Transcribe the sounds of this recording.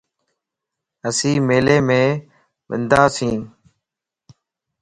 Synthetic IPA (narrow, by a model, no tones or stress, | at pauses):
əsĩːmeːleːmẽː | ɓɪ̰nd̪aːsĩːn